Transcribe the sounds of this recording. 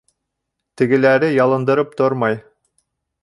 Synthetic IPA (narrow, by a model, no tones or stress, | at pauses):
t̪ɘ̆ɡɘ̆læɾɘjɑlˠɤ̆nd̪ɤ̆ɾɤp̚t̪oɾmɑj